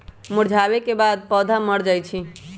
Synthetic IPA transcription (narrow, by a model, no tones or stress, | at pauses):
muɽd͡ʒʱabekebad̪̚pɔːd̪ʱaməɽd͡ʒajt͡ʃʰi